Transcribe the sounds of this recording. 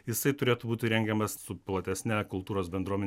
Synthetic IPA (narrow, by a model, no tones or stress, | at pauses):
jɪsɐɪt̪ʊɾʲeːt̪ʊbuːt̪ʲɪɾʲɛŋʲɡʲɛmɐssʊplˠɐt̪ʲɛsʲnʲækʊlˠt̪uːɾoːsbʲɛnd̪ɾuɔmʲɛn